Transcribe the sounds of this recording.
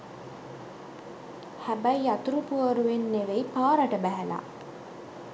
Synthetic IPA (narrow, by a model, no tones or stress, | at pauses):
hæbæjat̪uɾupuəɾuʋenːeʋeipaːɾəʈəbæɦæla̰